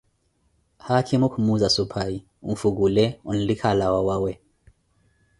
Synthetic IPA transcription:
hakʰimukʰmuzasupʰai | unfuɡulɛunlikʰalawawawɛ

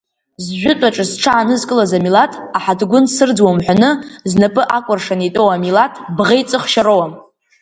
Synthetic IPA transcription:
zʒʷᶣʊtʷʼaʈ͡ʂʼɨsʈ͡ʂʰaːnɨzkʼɨlazamilatʰʼaħadɡʷʊnsɨrd͡zwamħᶣʷanɨznapʼɨʔakʷʼʊrʂanitʼowamilatʰʼbʁejt͡sʼɨχʃaɾowam

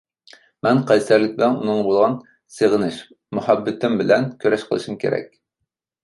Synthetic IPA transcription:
mɛnqʰɑjsæɾlɪk̚ʲbɪlɛnunɨŋbolˠʁɑn | seʁənɪʃ | muhɑbːɪt̪ʰɪmbɪlɛnkʲʰøɾɛʃqʰəlˠɨ̰ʃumkʲʰḛɾɛ̰kʲ

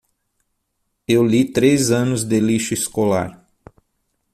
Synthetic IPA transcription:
ewlit̪ɾezɐ̃nʊzd̪eliʃɐiskola̰ɾ

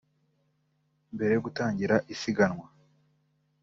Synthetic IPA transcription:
mbe̞ɾe̞joɡutaːɲɟiɾaʔisiɡanŋwa

